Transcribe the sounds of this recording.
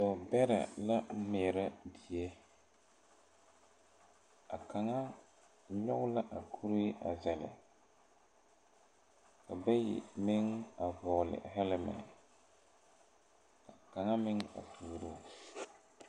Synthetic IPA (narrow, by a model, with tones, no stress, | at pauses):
dɔ˨bɛ˦ɾɛ̰˨la˦meː˨ɾa˦di˨e˦ | a˨ka˨ŋa˦ | ɲɔ˦ɣʊ˦la˦ʔa˨kʰu˦ɾi˦a̰˨zɛ˨lɪ̰˨ | ka˨bɛ˦jɪ̰˨mɪ˦ŋa˨vɔː˨lɪ̰˨hɛ˦lɪ˨mɛ̰˨ | ka˨ka˨ŋa˦mɪ˦ŋa̰˨tʰuː˨ɾo˦˨